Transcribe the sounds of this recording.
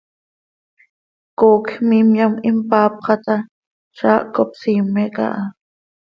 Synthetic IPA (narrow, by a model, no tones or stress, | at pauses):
koːkmimjamɪmpaːp̚qɑt̪a | ʃaːʔkopsimeka̰ʔa